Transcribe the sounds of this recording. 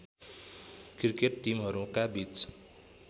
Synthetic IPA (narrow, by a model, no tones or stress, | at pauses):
krikeʈːimɦʌɾũkabit͡s